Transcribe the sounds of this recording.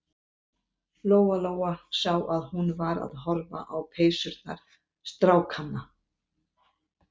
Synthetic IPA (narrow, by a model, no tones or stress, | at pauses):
loːwaloːwasawaðhunvaɾa̰ðɦɔɾva̰ʔawpʰeːjsʏɾt̪̚na̰ɾ̥ | st̪ɾaːwkʰanːa